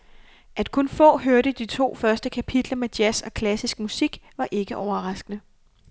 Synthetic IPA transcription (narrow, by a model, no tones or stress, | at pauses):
ʔæd̥kʰɔ̽nfɔ̰̽ːɦøɐɾəd̥it͡sʰo̝̰ːfɶɐsd̥əkʰæpʰid̥lɐmed̥jæsɒ̽kʰlæsisɡ̥̚musiɡ̥ʋɑ̈ʔe̝ɡ̥əʔɒʊɐʁɑ̈sɡ̥ənə